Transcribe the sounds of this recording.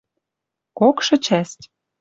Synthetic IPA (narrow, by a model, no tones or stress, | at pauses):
kokʃɤ̆t͡ɕæst̪ʲ